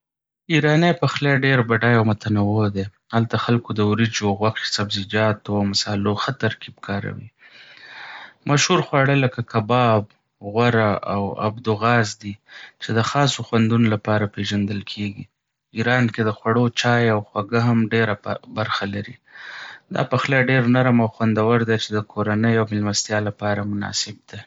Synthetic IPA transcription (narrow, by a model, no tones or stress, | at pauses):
iɾɑnepaxleɖeɾbaɖɑjawmʊt̪anawod̪e | halt̪axalkod̪əwɾid͡ʒoɣwaqi̥sabzid͡ʒɑt̪oamasɑloxət̪aɾkʰib̚kʰɑɾa̰wḭ | maʃhuɾxwɑɽələkakabɑb | ɣwaɾaa̰wa̰bd̪ʊɣɑzd̪it͡ʃed̪əxɑsoxwand̪unolapɑɾapeʒand̪əlkʰeɡi | iɾɑnked̪əxwaɽot͡ʃɑjawxwaɡaɦamɖeɾabaɾxalaɾi | d̪ɑ̰paxlɑɖeɾnaɾəmawxwand̪awəɾd̪at͡ʃed̪əkʰoɾanəjawmɪlmast̪jɑlapɑɾamʊnɑ̰sɪb̚d̪a